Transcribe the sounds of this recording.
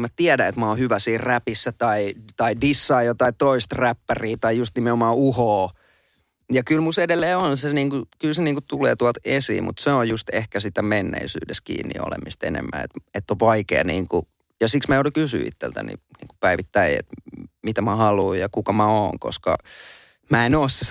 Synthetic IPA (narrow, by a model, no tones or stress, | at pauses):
mæt̪iædæet̪mæoːhyʋæsiːrræpisːæt̪ɑit̪ɑidisːɑijot̪ɑit̪oist̪ræpːæriːt̪ɑijust̪nimeomɑːuhoː | jɑkylmusedelːeːonseniːŋkukylseniːŋkut̪uleːt̪uɑlt̪esḭːmṵt̪seojjust̪ehkæsit̪æmenːḛisy̰ːdeskḭːnːḭo̰lḛmist̪ḛnḛmːæ̰ḛt̪et̪ːoʋʋɑikḛːniːŋku | jɑsiksmæjoudukysy̰ːḭt̪ːḛlt̪æ̰nḭnḭːŋku̥pæiʋit̪ːæiḛt̪mit̪æmæhɑluːjjɑkukɑmæoːŋko̰skɑ̰ | mæenoːsse